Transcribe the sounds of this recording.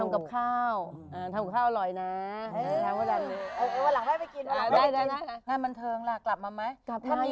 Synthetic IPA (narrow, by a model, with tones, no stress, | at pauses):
a˧mka˨˩p̚kʰaː˥˩w | ʔaː˧˩t̪ʰa˧mka˨˩kʰaː˥˩ʔlɔ˨˩jna˦˥˧aː˧mwa˧˩ɾa˧jni˦˥aː˧˩ʔːwa˧la˨˦ŋbaː˥˩pa˧˩jki˧na˧˩˨a˧˩daː˥˩jdaː˥˩daː˥˩jna˦˥ŋaː˧nba˧nt̪ʰɤː˧ŋla˧˩kla˨˩p̚maː˧ma˦˥j̚ʰa˥a˥˨